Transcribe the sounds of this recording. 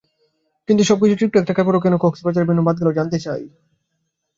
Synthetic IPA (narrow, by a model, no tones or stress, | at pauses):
kint̪uʃɔb̚kit͡ɕʰuʈikʈuɛk̚ʈakaɾpoɾok̬ɛnokoksipat͡ɕaɾbʱinːobad̪̚ɡelod͡ʑant̪et͡ɕaj